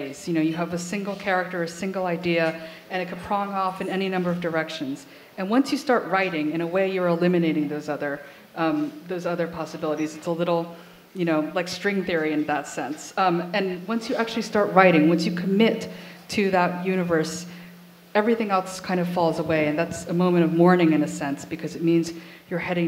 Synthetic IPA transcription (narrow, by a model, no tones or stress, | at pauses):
ɪz̥jɨnoʊjɨəvɨsɪ̃ŋɡl̩ˠkʰɛɹɨk̚tə˞ɨsɪ̃ŋɡl̩ˠaɪdiɨ | ɨ̃ɾ̃ɨt̚kʰɨd̚pʰɹ̥ɑ̃ŋɔfɨ̃nɛninʌ̃mbə˞ʌvdə˞ɛkʃɨ̃nz̥ | ɨ̃nwʌ̃nsjɨstɑɹʔ̚ɹaɪɾɪ̃ŋɨ̃ɾ̃ñəweɪjə˞əlɪ̃mɨneɪɾɪ̃ŋðoʊzʌðə˞ | ʌ̃mðoʊzʌðə˞pʰɑsəbɪlˠəɾizɨtsəlɪɾl̩ˠ | jɨñoʊlaɪkstɹ̥ɪ̃ŋθɪɹiɨ̃nðətsɛ̃nsʌ̃mɨ̃nwʌ̃nsjɨæk̚t͡ʃʉl̩ˠistɑɹt̚ɹaɪɾɪ̃ŋwʌ̃nsjɨkʰɨmɪtʰɨðəʔ̚jʉɾɨvə˞s | ɛvɹiθɪ̃ŋɛlˠskʰãɪ̃ndʌv̥fɔlˠzəweɪɨ̃nðætsəmõʊ̃mɨ̃ɾ̃ʌvmɔɹnɪ̃ŋɨ̃nɨsɛ̃nsb̥ɨkʰʌzɨt̚mĩnz | jə˞hɛɾɪ̃ŋ